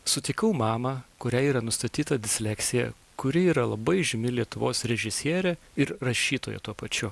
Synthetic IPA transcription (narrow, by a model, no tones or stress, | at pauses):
sʊt̪ʲɪkɐʊmɑːmɐkʊɾʲæːiːɾɐnʊst̪ɐt̪ʲiːt̪ɐd̪ʲɪsʲlʲɛksʲɪjɛ̰ | kʊɾʲɪiːɾɐlˠɐbɐɪʒʲɪmʲɪlʲiɛt̪ʊʋoːsɾʲɛʒʲɪsʲiɛɾʲɛ | ɪɾɾɐʃʲiːt̪oːjɛ̰t̪uɔpɐt͡ʃʲʊ